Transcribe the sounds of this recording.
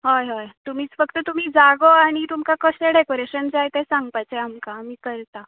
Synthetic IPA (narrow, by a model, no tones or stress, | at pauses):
ɦojɦajt̪um̤iːt͡sfəkt̪ət̪um̤iːd͡zaɡoaɽ̃it̪umkakəseɖekoɾeɕənd͡zajt̪esãŋɡpajt͡seamkaːmiːkəɾt̪a